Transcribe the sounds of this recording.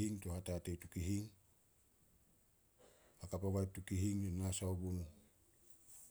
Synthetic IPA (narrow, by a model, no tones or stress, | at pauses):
iŋtohatatejtukiɦiŋ | akapaβajp̚tukiɦiŋonasaobunu